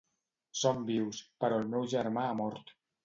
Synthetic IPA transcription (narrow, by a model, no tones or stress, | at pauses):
sombiwspəɾɔlˠmɛwʒəɾmaːmɔɾt̪